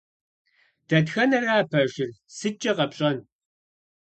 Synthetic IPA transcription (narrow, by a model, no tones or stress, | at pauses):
d̥ɐtxɐnɐraːpʰɐʒɪrsɨt͡ʃʼːɐqɐpɕʼɐn